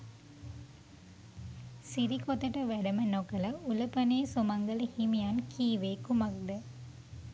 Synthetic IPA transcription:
siɾikot̪ɐʈɐʋæɖɐmɐnokɐlɐulɐpɐneːsumɐŋɡɐlhimijankʰiːʋeːkumɐk̚d̪ə

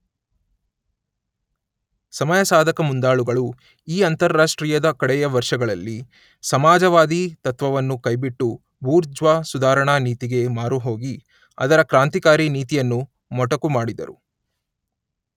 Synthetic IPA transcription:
sɐmɐjɐsaːd̪ʱɐkɐmund̪aːɭuɡɐɭu | iːɐnt̪ɐɾːaːʂʈɾiːjɐd̪ɐkɐɽɛjɐʋɐɾʂɐɡɐɭɐlːi | sɐmaːd͡ʒɐʋaːd̪it̪ɐt̪ʋɐʋɐnːukɐjbiʈːu | buːɾd͡ʒʋaːsud̪aːɾɐɳaniːt̪iɡe̞maːɾuɦo̞ːɡi | ɐ̰d̪ɐɾɐkɾaːnt̪ikaːɾiniːt̪ijɐnːu | mɔʈɐkumaːɽid̪ɐ̰ɾu

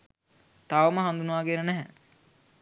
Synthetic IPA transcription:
t̪aʋəməɦand̪unəʋaːɡenənæɦɛ

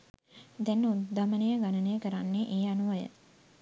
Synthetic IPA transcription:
d̪ɛnːud̪amənəjəɡanənəjəkəɾanːeʔeːanuʋəjə̰

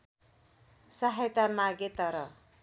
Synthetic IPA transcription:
saɦajt̪amaɡet̪ʌɾʌ

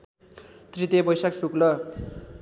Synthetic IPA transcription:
t̪rit̪ebʌjsaksuklʌ

